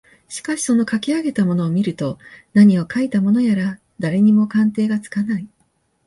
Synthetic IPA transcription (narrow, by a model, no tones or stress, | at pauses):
ɕi̥kaɕi̥so̞no̞kakʲiaɡe̞t̪amo̞no̞ːmʲiɾɯ̟t̪o̞naɲ̟io̞kait̪amo̞no̞jaɾa | d̪aɾe̞ɲ̟imo̞kãnt̪e̞ːɡat͡sɨ̥kanai